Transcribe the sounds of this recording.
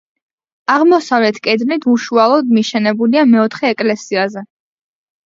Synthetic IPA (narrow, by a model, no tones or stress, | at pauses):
aʁmɔsavlɛt̪ʰkʼɛd̪nit̪ʰuʃualˠɔd̪miʃɛnɛbuliamɛɔt̪ʰχɛːkʼlɛsiazɛ